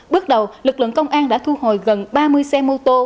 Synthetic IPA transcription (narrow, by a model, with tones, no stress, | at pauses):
ɓɨ˦˥ək̚ɗə˨˩wlɨ˨˩k̚lɨ̰˧˨əŋkə˧wŋ͡mʔaː˧nɗa̰ː˧˥t̪ʰu˧ho̰˨˩˨jɣə˨˩nɓaː˧mɨ˧əjsɛ˧mo˧t̪o˧